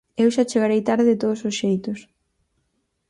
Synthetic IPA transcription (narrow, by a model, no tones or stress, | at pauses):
ewʃat͡ʃeɣaɾejt̪aɾðet̪oðʊsosʃejt̪ʊs